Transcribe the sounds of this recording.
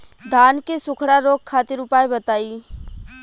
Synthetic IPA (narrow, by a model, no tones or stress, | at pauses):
d̪ʱaːnkesʊkʰɽaɾoːk̚ʰːaːt̪ɪɾʊpaːebɐt̪aːiː